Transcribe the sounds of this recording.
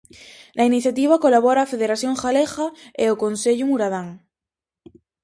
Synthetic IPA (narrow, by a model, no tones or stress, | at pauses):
lainiθjat̪iβ̞akolaβ̞oɾaːfeðeɾaθjoŋxalexaeokonseʎumuɾaðaŋ